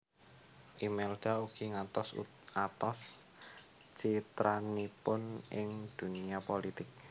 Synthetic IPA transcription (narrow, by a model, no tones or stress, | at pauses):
ʔimeld̪̥a̤uɡ̥iŋat̪ɔsṵ | ŋat̪ɔs | t͡ʃit̪ɾanipʊnʔɪŋd̪̥ṳniapolit̪ɪk̚